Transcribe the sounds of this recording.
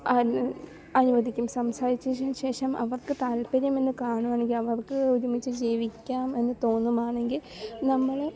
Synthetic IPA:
ɐ | ɐnuʋɐd̪ʱikʲːumsɐmsaːɾit͡ɕːuanɕe̞ːʂɐmʔɐ̰ʋɐrkɨt̪aːlpɐɾɐme̞nːɨkaːɳuʋaːɳeŋɡilɐʋɐrkɨuɾumit͡ɕːɨd͡ʑeːʋikʲːaːme̞nːɨt̪o̞ːnːumaːɳe̞ŋɡil | nɐmːɐɭ

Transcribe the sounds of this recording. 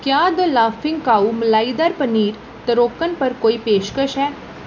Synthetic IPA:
kjaːd̪əlaːfʰɪ̃ŋɡkaːuməlaːid̪aːɾpəniːɾ | t̪əɾoːkənpəɾkoːiːpeːʃkəʃɦɛː

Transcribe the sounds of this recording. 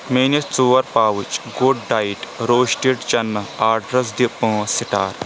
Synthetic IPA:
meːnist͡suːʋɐɾpaːʋut͡ʃɡoɖ̚ɖaːiʈɾoːʃʈiʈt͡ʃɐnːɐaːɖɾɐs̬d̪ipə̃ːsiʈaːɾ

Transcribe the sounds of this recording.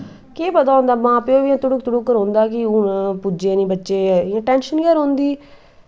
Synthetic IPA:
keːpət̪ãːʊ̃nd̪aːmãːpõːʋɪãt̪ʊɽukt̪ʊɽukːəɾõːnd̪aːkɪunãpʊd͡ʒeːnĩːbətːʃeːãːʈɛːnʃənɡaːɾõːnd̪iː

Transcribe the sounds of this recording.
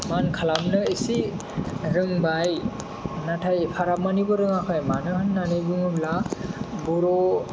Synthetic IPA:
mankʰalamnɯesi | ɾɯŋbaj | natʰajepʰaɾamanibɔɾɯŋakʰɯjmanɯhɯnːanɯjbɯŋɯblabɔɾɔ

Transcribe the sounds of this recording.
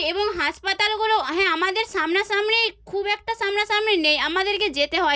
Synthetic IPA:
eboŋɦaspat̪alɡuloɦɛ̃amad̪eɾsamnasamnekʰubɛk̚ʈasamnasamnenejamad̪eɾked͡ʑet̪eɦɔe

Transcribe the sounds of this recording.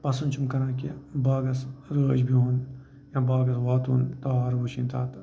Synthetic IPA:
pɐsunt͡ʃʰumkɐɾãːkibaːɡɐsɾəːd͡ʒbʱiɦun | jãbaːɡɐsʋaːt̪ṵːnt̪aaːɾbuʃĩːnt̪ʰaːt̪

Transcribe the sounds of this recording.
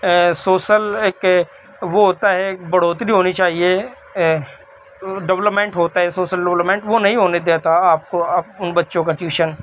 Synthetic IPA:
soːʃəleːk | ʋoɦoːt̪aɦɛbəɽ̤oːt̪ɾiɦoːnit͡ʃaːɦie | ɖəʋləpmẽːɳʈɦoːt̪aɦɛsoːʃəlɖəʋləpmẽːɳʈʋonɐɦĩɦoːned̪eːt̪aaːp̚koʊnbətːʃõk̬ɐʈjuːʃən

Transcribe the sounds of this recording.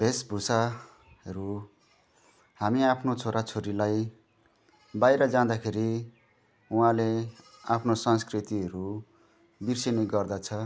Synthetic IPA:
bʱesbʱusa | ɦʌɾu | hamiapʰnot͡sʰoɾat͡sʰoɾilaj | bajɾʌd͡zãd̪akʰeɾi | uɦãle | apʰnosʌnskrit̪iʌɾu | birseneɡʌrd̪at͡sʰʌ

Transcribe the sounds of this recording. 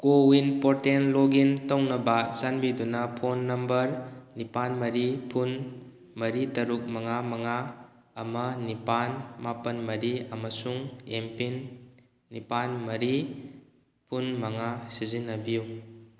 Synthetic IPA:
kowinpɔtenloɡintawnɐbazanbidunapʰonːɐmbəɾnipanmɐɾipʰun | mɐɾitɐɾuk̚mɐŋamɐŋa | ɐmɐnipanmapɐnmɐɾiɐmɐsuŋempinː | ipanmɐɾi | pʰunmɐŋasizinːɐbiju

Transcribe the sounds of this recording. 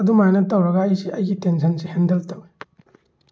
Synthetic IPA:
ɐdumajnɐtɐwɾɐɡɐːjsiɐjɡitensʰɐnsehendeltɐwe

